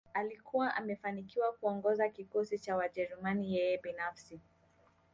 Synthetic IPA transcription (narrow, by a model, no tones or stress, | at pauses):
alikuwaʔamɛfanikiwakuɔŋɡɔzakikɔsit͡ʃawad͡ʒɛɾumanijɛjɛbinafsi